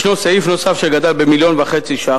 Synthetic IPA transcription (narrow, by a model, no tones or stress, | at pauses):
ʃnoseifno̞safʃeɡad̪albemiljo̞nvaχe̞t͡siʃa